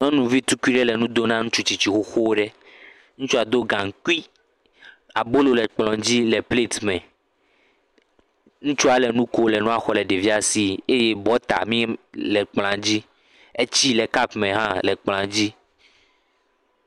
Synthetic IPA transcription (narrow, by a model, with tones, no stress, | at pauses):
nɔ̃˦nũ˨vi˦t̪u˦ku˦i˦ɖɛ˦lɛ˨nũ˦d̪o˦nã˦ŋũ˦t͡ʃu˦t͡ɕi˨t͡ɕi˨xo˦xo˦wɖɛ˦ | ŋũ˦t͡ʃu˦a˨d̪o˦ɡã˨ŋ̩˨ku˦i˦ | a˨bo˦lo˦lɛ˨k͡plɔ̃˨d͡ʑi˦lɛ˨ple˦t̪mɛ̃˨ | ŋũ˦t͡ʃu˦a˨lɛ˨nũ˦ko˦lɛ˨nũ˦a˨xɔ˨lɛ˨ɖe˨vi˦a˦si˦e˦je˦bɔ˦t̪a̰˨mĩ˦lɛ˨k͡pl̃ã˨d͡ʑi˦ | e˦t͡ɕi˦lɛ˨ka˦pmɛ̃˨ɦã˦lɛ˨k͡plã˨d͡ʑi˦